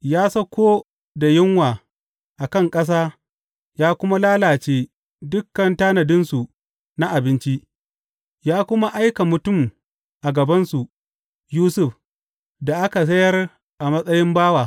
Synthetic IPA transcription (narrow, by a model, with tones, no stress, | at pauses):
jaː˦sɐ˦kʷoː˦ | da˨jɪ˦ŋwaː˨ | ʔa˨kɐ˦˨ŋkʼɐ˦s̬aː˦ | jaː˦kʷʊ˦ma˦laː˦laː˨t͡ʃeː˦ | dʊ˦kːɐ˨ntaː˦nɐ˨dɪ˦nsu˨ | na˦ʔa˨bɪ˦nt͡ʃi˦ʔ | jaː˦kʷʊ˦ma˦ʔa˦jka˨mʊ˨tʊ˦˨m | ʔa˨ɡɐ˨bɐ˦nsu˨ | juː˦sʊ˦ɸ | da˨ʔa˦ka˨s̬ɐ˦jɐ˦r | ʔa˨mɐ˦sʼɐ˦jɪ˦mbaː˦waː˨